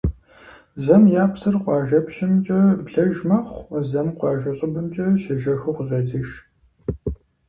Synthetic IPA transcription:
zɐmjaːpsɨrqʷɑːʒɐpʃɪmt͡ʃʼɐbɮɐʒmɐχʷzɐmqʷɑːʒɐɕʼɐbɨmt͡ʃʼɐʃɐʒɐxʊqʊzɐdiʃ

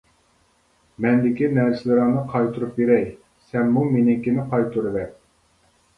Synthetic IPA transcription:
mɛnd̪ɪkʲinɛɾsɪlɪɾɑŋnɨqʰɑjt̪ʰuɾupjeɾɛj | sɛmːumenɪkʲinɪqʰɑjt̪ʰuɾɨvɛ

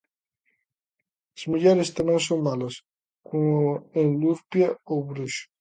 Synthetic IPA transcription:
azmuʎɛɾɪst̪amẽŋsoŋmalos | koenluɾpjaowβɾuʃʊ̥

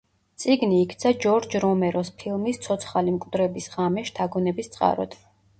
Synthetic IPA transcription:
t̪sʼiɡniːkʰt̪sʰad͡ʒɔɾd͡ʒɾɔmɛɾɔspʰilˠmist̪sʰɔt̪sʰχalimkʼwd̪ɾɛbisʁamɛʃt̪ʰaɡɔnɛbist̪sʼqʼa̰ɾɔ̰d̪̥

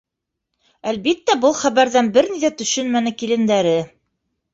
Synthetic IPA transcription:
ælβit̪ːæbɤlˠχæβæɾðænbɘɾniðæt̪ɵ̆ʃɵnmænɘkilɘ̆nd̪æɾɘ

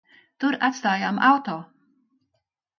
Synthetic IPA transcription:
t̪uɾat̪st̪aːjamawt̪oː

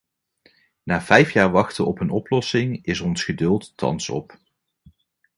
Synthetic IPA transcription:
naːv̥ɛjfjaːɹʋɑχtəɔpənɔplɔsɪŋɪsɔnsχədɵlˠttɑ̰nsɔ̰p

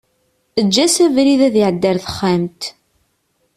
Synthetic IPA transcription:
əd͡ʒːæsævɾiðæðiʕəd̪ːəɾθə̥χːamt̪

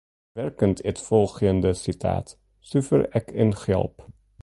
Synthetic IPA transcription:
ʋɛrkəntətfɔlˠχəndəsitʰa̰ːt | syfə̰rɛkɪnχɛ̰lˠp

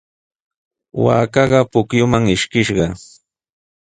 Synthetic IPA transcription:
wa̰ːkɑɢɑpʊkjʊmaŋɪʃkɪʃɢɑ

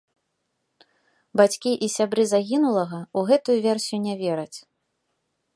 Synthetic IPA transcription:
bat͡sʲkʲiʔisʲabɾɨzaɣʲinulˠɐɣɐuɣɛt̪ujuvʲɛrsʲijunʲavʲɛɾɐt͡sʲ

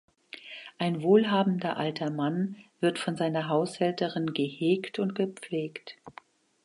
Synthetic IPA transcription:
ʔaɪnvoːlɦaːbn̩dɐʔaltʰɐmanv̥ɪɐtfɔnzaɪnɐɦaʊshɛltəʁɪnɡəheːktʰʊntɡ̥əp͡fleːkt

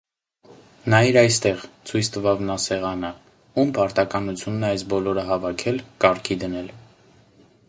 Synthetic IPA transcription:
nɑiɾɑjst̪ɛʁt͡sʰujt͡sʰt̪əvɑvnɑsɛʁɑnə | umpɑɾt̪ɑkɑnut͡sʰjunːɛɑjsbɔlɔɾəɦɑvɑkʰɛlkɑɾkʰid̪ənɛl

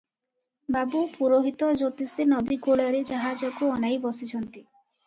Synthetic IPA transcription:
babupuɾoɦit̪ɔd͡ʒot̪isenɔd̪iɡoɭɔɾed͡ʒaɦad͡ʒɔkuɔnajbɔsit͡ʃʰɔnt̪i

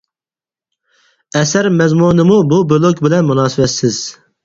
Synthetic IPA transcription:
ɛsæɾmɛzmunɨmububolˠokʲbɪlɛnmunɑːsɨwɛt̪sɪz̥

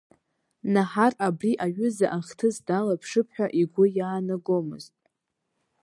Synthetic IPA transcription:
naħarabriʔaɥʏzaʔaχʲtʰɨsdalapʰʂɨpʰħʷᶣaʔiɡʷʊjaːnaɡomɨ̰ztʼ

